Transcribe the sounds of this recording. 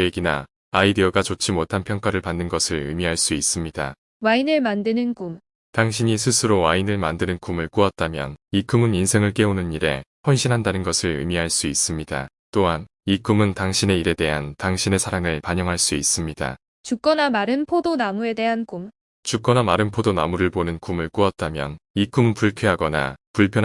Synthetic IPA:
eɡina̰ | aideʌɡat͡ɕot͡ɕ͈ʰimotʰanpʰjʌŋk͈aɾɯɭpanːɯnɡʌsʰɯɭɯ̰miɦaɭs͈uis͈ɯmɲida̰ | wainɯɭmandɯnɯnkum | taŋɕʰiɲis̬ʰɯsʰɯɾowainɯɭmandɯnɯnkumɯɭk͈uat̚t͈amjʌ̰nikumɯninsʰe̞ŋɯɭk͈e̞onɯniɾe̞̰ɸʌnɕʰinɦandanɯnɡʌsʰɯɭɯ̰miɦaɭs͈uis͈ɯmɲida̰ | t͈oɦan | ikumɯntaŋɕʰine̞iɾe̞de̞ɦantaŋɕʰine̞sʰaɾaŋɯɭpaɲʌŋɦaɭs͈uis͈ɯmɲida̰ | t͡ɕuk͈ʌnamaɾɯnpʰodonamue̞de̞ɦankum | t͡ɕuk͈ʌnamaɾɯnpʰodona̰muɾɯɭbonɯnkumɯɭk͈uat̚t͈amjʌ̰nik͈umpuɭkʰeɦaɡʌna̰puɭpʰjʌ

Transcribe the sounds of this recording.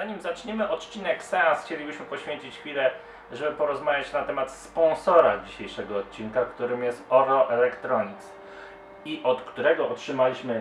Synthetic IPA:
zaɲimzat͡ʂɲemɘʔɔt̪t͡ɕinɛksɛasxt͡ɕelʲibɘɕmɘpɔɕfʲeɲt͡ɕit͡ɕxfʲilɛ | ʐɛbɘpɔɾɔzmavʲjat͡ɕnat̪ɛmat̪spɔnsɔɾad͡ʑiɕejʂɛɡɔːt̪̚t͡ɕinkakt̪uɾɘmjɛst̪ɔɾɔʔɛlɛkt̪ɾɔɲit̪s | iʔɔt̪kt̪uɾɛɡɔɔtʂɘmalʲiɕmɘ

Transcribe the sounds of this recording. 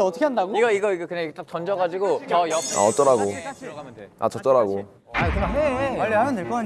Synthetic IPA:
ʌtʰʌ̥kʰeandaɡoiɡʌiɡʌiɡʌkɯɲaiet͈at͡ɕʌnd͡ʑʌɡad͡ʑiɡot͡ɕʌjʌa̰ʌt͈ʌɾaɡo | a̰t͡ɕʌt͈ʌɾaɡo | akɯɲaeaʎːihaɾandeɭk͈ʌka

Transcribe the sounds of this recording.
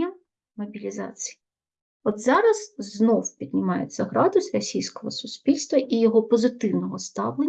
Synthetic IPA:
ɐ | mɐbʲilʲizɑ̰t͡sʲiji | ɔd̪zɑɾɐzznɔwpʲid̪nʲɪmɑjet͡sʲːɐɦɾɑd̪ʊsʲrɐsʲijsʲkɔɦɔsʊsʲpʲilʲst̪ʋɐʔijɔɦɔpɔzɪt̪ɪwnɔɦɔst̪ɑwlˠe

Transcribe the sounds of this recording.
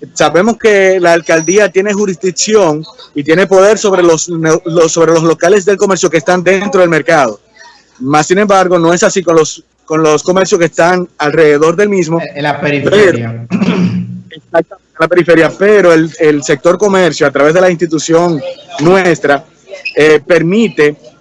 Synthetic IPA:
saβe̞mo̞ske̞laːlkald̪iat̪je̞ne̞ɦuɾizðiksjo̞ŋit̪je̞ne̞po̞ð̞e̞ɾso̞βɾelosnloso̞βɾe̞loslo̞kale̞s̬ðe̞lko̞me̞ɾsjo̞keːst̪and̪e̞nt̪ɾoðe̞lme̞ɾkaðo̞ | masːine̞mbaɾɣo̞nõe̞sasiko̞nlos | ko̞nlosko̞me̞ɾsjoskest̪aŋalre̞ðeðo̞ɾðe̞lmismoapeɾifpeɾa | eksak̚t̪amẽnelape̞ɾifeɾjapeɾo̞elelse̞k̚t̪o̞ɾko̞me̞ɾsjoat̪ɾaβe̞sð̞elainst̪it̪usjo̞ŋnwest̪ɾa | epe̞ɾmit̪e

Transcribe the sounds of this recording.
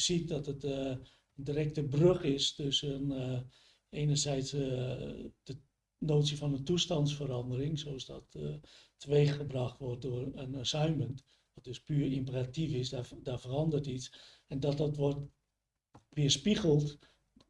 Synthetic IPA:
sit̚dɔtət | əndirɛk̚təbrøxɪstøsən | eːnərsɛjt͡s | d̥ə | noːtsiəfɔnəntustɑntsfəɾɑndərɪŋsosdɔttʰəʋeːxəbrɑxtʋɔrt̚dʊərənsœɥmənt | ʋɔt̚døspyːərimpəratifɪsdafərɑndərtit͡s | ɛndɔt̚dɔtʋɔrt | ʋiəspiɣəlˠt

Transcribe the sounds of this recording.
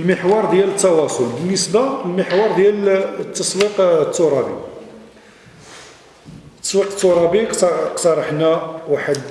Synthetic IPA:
əlməħwɑɾˤd̪jælət̪ːɑwɑsˤolbənːəsbalməħwɑɾˤd̪jælt̪ːɑswiqt̪ːʊɾˤɑbḭ | t̪ːɑ̥swiqt̪ːʊɾˤɑbiqqt̪ɑɾˤəħnæwaħəd̪

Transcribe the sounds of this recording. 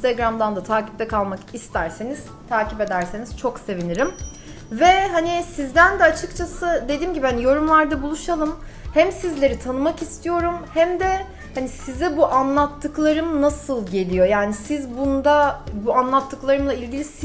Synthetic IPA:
t̪aɡɾamd̪and̪at̪ʰaːcip̚t̪ɛkʰalˠmakist̪ʰæɾseniz̥ | t̪ʰaːcipe̞d̪æɾseniz̥t͡ʃʰo̞kse̞viniɾim | vɛɦanisizd̪ænd̪ɛat͡ʃʰɯkt͡ʃʰasɯd̪e̞d̪iːmɟibihanijo̞ɾumlˠaɾd̪abulˠuʃalˠɯm | hæmsizlʲe̞ɾit̪ʰanɯmakist̪ʰijo̞ɾumhæmd̪ɛ | hanisizɛbuʔanlˠat̪ʰːɯklˠaɾɯmnasɯlˠɟe̞lʲijo̞jaːnisizbund̪abuanlˠat̪ʰːɯklˠaɾɯmlˠailʲɟilʲis

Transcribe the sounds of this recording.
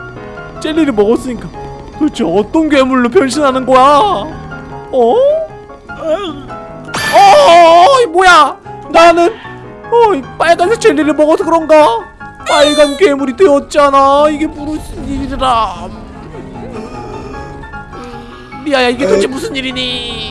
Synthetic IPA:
t͡ɕ͈e̞ʎːiɾɯɭmʌɡʌs͈ɯɲik͈a | kɯɾʌt͡ɕʰoʌt͈ʌnkɥe̞muɭːop̬jʌnɕ̬ʰinɦanɯnɡʌja | ʌ | ʌ | mojananɯn | ʌp͈aɭɡansʰʌt͡ɕeʎːiɾɯɭmʌɡʌsʰokɯɾʌnɡa | paɭɡanke̞muɾiteʌt̚t͡ɕ͈anaiɡe̞muɾɯsʰiniɾiɾiɾa | niajaiɡetʰɯd͡ʑʰimusʰɯniɾiɲi

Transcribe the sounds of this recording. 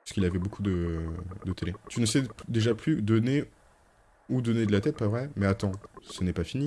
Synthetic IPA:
sə̥kilavɛbokʰud̪əd̪ət̪elet̪ynəsɛd̪eʒaplyd̪ɔne | ud̪ɔned̪əlat̪ɛt̪̚pavʁɛmɛat̪ɑ̃sənɛpafini

